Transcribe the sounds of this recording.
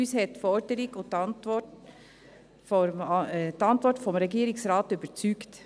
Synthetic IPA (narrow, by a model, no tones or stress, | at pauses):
yːshɛtfɔɾdəɾɪɡʊtɑntʋɔ | t̪ɑntʋɔɹtfɔmɾɛɡiːɾɪksɾɑːtybət͡syːkt